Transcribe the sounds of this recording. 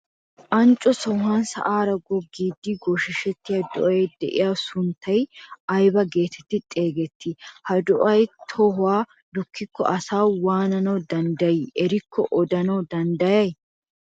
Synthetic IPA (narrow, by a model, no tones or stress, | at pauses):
ʔɐnt͡ʃʼːɔsɔɦɐnsɐ̰ʔaːɾɐɡɔɡːiːd̪ːɪɡɔʃɪʃɛt̪ːɪjad̪ɔʔɐjɛjd̪ɛ̰ʔɪ̰jaːsʊnt̪ʰːɐjɐjbɐɡe̞ːt̪ʰɛt̪ːɪt̪ʼe̞ːɡɛt̪ːɪhɐd̪ɔʔɐjt̪ʰɔɦʊwaː | d̪ʊkʰːɪkːɔ̰ʔɐsaːwaːnɐnɐwd̪ɐnd̪ɐjiɛɾɪkʰːɔʔɔd̪ɐnɐwd̪ɐnd̪ɐjɐj